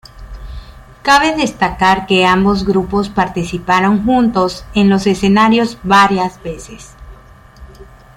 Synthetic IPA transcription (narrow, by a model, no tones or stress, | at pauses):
kaβe̞ðe̞st̪akaɾke̞ambo̞zɣɾupo̞spaɾt̪isipaɾo̞ŋxunt̪o̞se̞nlo̞se̞se̞naɾjo̞zβaɾjazbe̞ses